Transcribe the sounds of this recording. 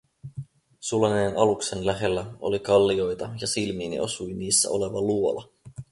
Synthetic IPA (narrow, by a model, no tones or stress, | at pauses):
sulɑne̞ːnʔɑlukse̞nlæɦe̞lːæo̞̰likɑlːio̞jt̪ɑjɑsilmiːnḭo̞sujniːsːæ̰o̞le̞ʋɑluo̞lɑ